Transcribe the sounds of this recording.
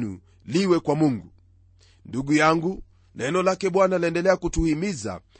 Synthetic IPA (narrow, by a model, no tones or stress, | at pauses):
nṵ | liwɛkwamuŋɡu | nduɡujaŋɡu | nɛnɔlakɛɓwanalɛndɛlɛakutuhimiza̰